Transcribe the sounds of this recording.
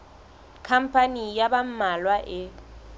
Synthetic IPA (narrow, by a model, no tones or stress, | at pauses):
kʰam̩pʰʼanijabam̩malwaʔɪ